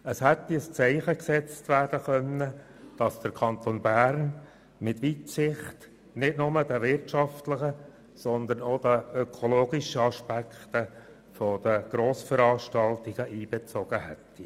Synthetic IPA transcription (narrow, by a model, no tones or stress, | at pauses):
əshɛt̪ːiəst͡sɛɪχəksɛt͡stʋæːɾd̥əkœnːə | d̥ɑsd̥əɾkʰɑnt̪onbæːɾn | mɪtʋitsɪχt | nɪtnʊməd̥əʋɪrtʃɑftləχə | sɔnd̪əɾnod̥̪əøkʰɔloːɡiʃəɑʃpækʰt̪ə | fɔd̥̪əɡ̥ɾoːsfəɾɑːʃtɑltiɡ̥əʔiːb̥et͡sɔɡ̥əhɛ̰tːi